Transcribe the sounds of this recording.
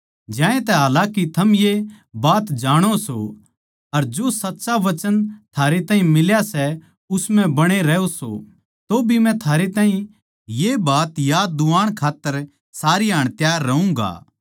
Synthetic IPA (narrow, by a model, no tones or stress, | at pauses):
d͡ʒãːẽt̪ɛɦaːlakit̪ʰɐmje | baːt̪d͡ʒaːɽ̃oso̰ | ɐɾd͡ʒosɐtːʃaʋɐt͡ʃənt̪ʰaːɾet̪ãːɦĩmɪljasɛ | ʊsmɛ̃bɐɽ̃eɾɛːoso̰ | t̪obʱimɛ̃t̪ʰaːɾet̪ãːɦĩ | jebaːt̪jaːd̪uaːɽ̃kʰaːt̪ːəɾ | saːɾiaːɽ̃t̪jaːɾːɐũːɡa̰ː